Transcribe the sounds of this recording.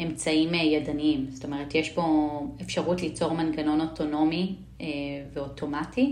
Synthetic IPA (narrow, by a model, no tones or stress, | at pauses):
e̞mt͡saimjadanimsto̞me̞ʁ̞etjeʃbo̞efʃaʁutlit͡so̞ʁmanɡano̞no̞tʰo̞no̞mi | veo̞tʰo̞mati